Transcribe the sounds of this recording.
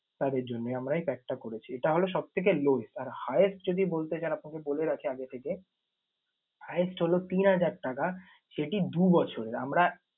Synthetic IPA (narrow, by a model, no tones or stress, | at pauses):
t̪ad̪eɾd͡ʑonːojamɾajpɛk̚ʈakoɾet͡ɕʰieʈaɦoloʃɔb̚t̪ʰek̬eloesaɾhajesʈd͡ʑod̪ibolt̪et͡ɕaenapnakeboleɾakʰeaɡet̪ʰeke | haesʈɦolot̪inɦad͡ʑaɾʈaka | ʃeʈid̪ubɔt͡ɕʰoɾeɾa̰mɾa